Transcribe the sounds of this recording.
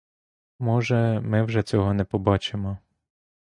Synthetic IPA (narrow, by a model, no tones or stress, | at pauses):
mɔʒɛmɪwʒɛt͡sʲɔɦɔnɛpɔbɑt͡ʃemɔ